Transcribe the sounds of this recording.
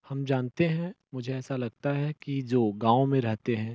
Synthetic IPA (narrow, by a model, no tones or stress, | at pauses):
hɐmd͡ʒaːnt̪eɦɛ̃ | mʊd͡ʒʱeɛːsalɐɡ̚t̪aɦɛkid͡ʒoːɡãːõmẽɾɛɦt̪eɦɛ̃ː